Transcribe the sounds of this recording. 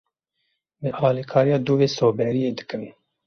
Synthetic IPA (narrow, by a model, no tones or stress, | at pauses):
bɨʔɑːlikʰɑːɾijɑːd̪uːveːsoːbɛɾijeːd̪ɨ̥kɨviː